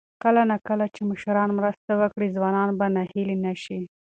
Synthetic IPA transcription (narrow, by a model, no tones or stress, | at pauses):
kəlanakəlat͡ʃemʊʃɾɑnmɾəst̪awəkɽizwɑnɑnbanahilinaʃi